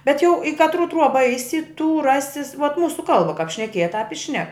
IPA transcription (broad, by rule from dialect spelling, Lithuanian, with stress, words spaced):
bʲɛt jɛʊ ɪ kɐtˈruː ˈtruɔbɐ ˈɛɪsʲɪ tuː ˈrɑːsʲɪs ʋoːt ˈmuːsʊ ˈkɐlˠbɐ kɐp ʃʲnʲɛˈkʲiɛjɛ tɑːp ɪ ʃʲnʲɛk